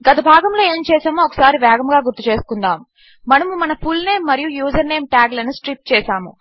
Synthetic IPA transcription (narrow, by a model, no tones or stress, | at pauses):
ɡɐt̪ɐbʱaːɡɐmlo̞ːe̞ːmt͡ʃɛːsaːmoːɔkɐ̥saːɾiʋɛːɡɐmɡaːɡuɾt̪ːut͡ʃe̞ːsu̥kund̪aːmu | mɐnɐmumɐnɐpʰulne̞ːmːɐɾijujuːzɐɾne̞ːmʈaːɡlɐnusʈɾip̚t͡ʃɛːsaːmu